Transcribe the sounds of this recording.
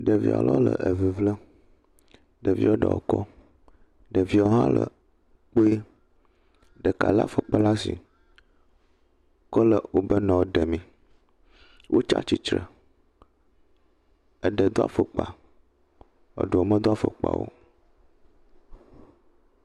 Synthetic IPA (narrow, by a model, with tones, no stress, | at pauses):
ɖə˨vḭ˦a̰˨lɔ˦lə̰˨ʔə˨vi˨vlə˦ | ɖə˨vḭ˦o˦ɖə̰˨o̰˨kɔ˦ | ɖə˨vi˦˨o˦ɦã˦lə˨ | k͡po˦e˦ | ɖə˨ka˨la˦fə˨k͡pa˦la˦sḭ˨ | kɔ˦lə˨wo˦bə˦nɔ̃˨wɖə˨mĩ˨ | wʔo˦t͡ʃa̰˦t͡ʃi˨t͡ʃɾə˨ | ə˨ɖə˨d̪o˦a̰˦fə˨k͡pa˨ | ə̰˨ɖo˨o˨mə˦d̪o˦a˦fə˨k͡pa̰˨wo̰˦